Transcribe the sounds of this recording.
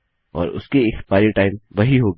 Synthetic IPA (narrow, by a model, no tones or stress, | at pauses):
ɔ̰ːɾʊ̰skeɪxpaːɪɾɪʈaːɪmʋɐɦiɦoːɡ